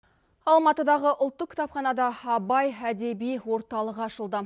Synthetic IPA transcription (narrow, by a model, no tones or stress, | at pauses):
ɑlˠmɑt̪əd̪ɑʁəʔʊlˠt̪ːəq̚kʲʰt̪ɑpχɑnɑd̪ɑɑbɑjæd̪e̞bijwo̞ɾt̪ɑlˠəqɑʃəlˠd̪ə